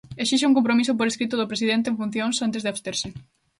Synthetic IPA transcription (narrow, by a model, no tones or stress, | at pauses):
esiʃ̬euŋk̬ompɾomis̬ʊp̬oɾeskɾit̪ʊðʊpɾesið̞ent̪̬ẽɱfũn̟θjoŋsant̪̬ezðeast̪eɾsɪ